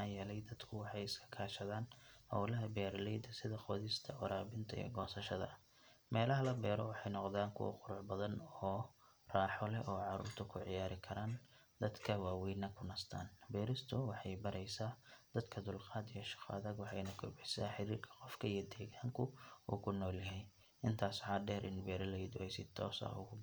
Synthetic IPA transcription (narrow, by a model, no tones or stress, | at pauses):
aːjɛlɛjd̪ɐd̪kʰʊwɑħɑjɪskʰɐ̥kʰaːʃɐðaːnhɐ̰wlɐɦɐbɛːɾlɛjd̪ɐsɪðɐqɔːðɪst̪ʰɐɔɾaːbɪnt̪ʰɐɛ̰ːɡɔːsɐʃɐðɐ̰ | mɛːlɐɦɐlɐbɛːɾɔwɑħɑjnɔqðaːŋkʰʊ̰wɑ̰qʊɾʊʕbɐðɐnɔː | raːħɔlɛʔɔːʕɑɾṵːrt̪ʰʊkʰʊʕɪ̰jaːɾɪkʰɐɾaːn | d̪̥ɐd̪kʰɐwɑːwiːnɐkʰʊnɐst̪ʰa̰ːnbɛːɾɪst̪ʰʊwɑħɑjbɐɾɛjsaːd̪̥ɐd̪kʰɐd̪ʊlqɑːd̪ijɔʃɪ̥qɑ̰ːðɐɡwɑħɑjnɐkʰɔrbɛsa̰ːħɪɾiːrkʰɐ̥qɔfkʰɐijɔd̪ɛːɣaːŋkʰʊṵːkʰʊnːɔːljɐɦɛj | ɪnt̪ʰaːsħɑːɖɛːɾʔɪ̰nbɛːɾɐlɛjd̪ʊɛjsɪt̪ʰɔːsɐ̰ʊ̰ɣʊb